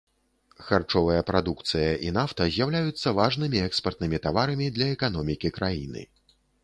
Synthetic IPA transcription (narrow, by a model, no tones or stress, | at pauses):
xart͡ʂɔvɐjɐpɾad̪ukt̪sɨjɐʔin̪aft̪ɐzʲjawlʲajut̪sːɐvaʐnɨmʲiɛkspɐrt̪nɨmʲit̪avaɾɐmʲid̪lʲɐɛkan̪ɔmʲikʲikɾajinɨ̰